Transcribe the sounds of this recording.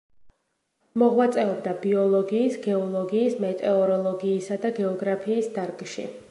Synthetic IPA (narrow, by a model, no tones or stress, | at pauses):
mɔʁwat̪sʼɛɔbd̪abiɔlˠɔɡiːsɡɛɔlˠɔɡiːsmɛt̪ʼɛɔɾɔlˠɔɡiːsad̪aɡɛɔɡɾapʰiːsd̪aɾɡʼʃḭ